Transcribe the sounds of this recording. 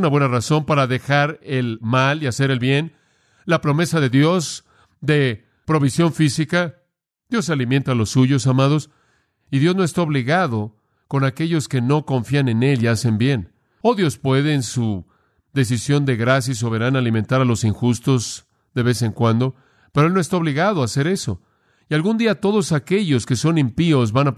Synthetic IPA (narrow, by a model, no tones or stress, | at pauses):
naβwenaraso̞mpaɾaðe̞xaɾelmaliase̞ɾe̞lβje̞n | lapɾo̞me̞saðe̞ðjo̞s | ðe̞ | pɾo̞β̞isjo̞ɱfisika | ðjo̞s̬ːalime̞nt̪aːlo̞sːuʝo̞samaðo̞s | iðjo̞znoest̪aoβliɣaðo̞ | ko̞nake̞ʝo̞ske̞no̞ko̞ɱfiane̞ne̞liase̞mbje̞n | oðjo̞spwe̞ðeːnsu | ðe̞s̬isjo̞nd̪e̞ɣɾas̬jais̬o̞β̞e̞ɾanaːlimẽ̞nt̪aɾalo̞siŋxust̪o̞z | ðe̞βe̞se̞ŋkwand̪o̞ | peɾoelnoest̪aoβliɣaðoase̞ɾe̞so̞̰ | ialɣund̪iat̪o̞ðo̞sake̞ʝo̞ske̞so̞nimpio̞zβana